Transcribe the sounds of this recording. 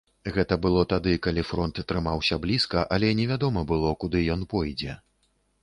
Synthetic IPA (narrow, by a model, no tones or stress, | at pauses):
ɣɛt̪ɐbɨlˠɔt̪ad̪ɨkalʲifɾɔnt̪ːɾɨmawsʲɐblʲiskɐʔɐlʲɛnʲɛvʲad̪ɔmɐbɨlˠɔkud̪ɨjɔnpɔjd͡zʲɛ